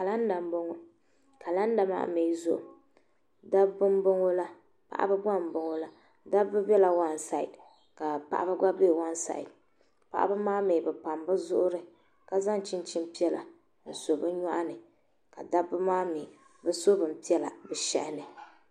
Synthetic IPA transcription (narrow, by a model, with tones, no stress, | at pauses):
ka˨la˦n˦da˨m˦bo˦ŋo˦ | ka˨la˦n˦da˨ma̰˦ʔme˨˦zʊ˦˨ʔʊ̰˨ | da˦bbɨ˦m˦bo˦ŋo˦la˦ | pa̰˨ʔa̰˦bɨ˦ɡa˦m˨bo˨ŋo˦la˦ | da˦bɨ˦bɛ˦la˨wa˦n˨sa˨ḭ˨d | ka˨pa̰˨ʔa̰˦ba˦ɡa˦beː˦˨wa˦n˦sa̰˨ḭ˨d | pa̰˦˨ʔa̰˦bɨ˦maː˦meː˨bɨ˨pa˨mbɨ˦zʊ˦ʔʊ˦ɾɨ˦ | ka˦za˦ŋ˨t͡ʃi˦nt͡ʃi˦m˦pi˦ɛ˦la̰˨ | so˨bɨ˦ɲa˦ʔa˦nɨ˨ | ka˨da˦bɨ˦maː˦me˨ | bɨ˦so˦bɨ˨m̩˨pi˦ɛ˦la˨bɛ˨ʃɛ̰˦ʔɪ˦nɨ˨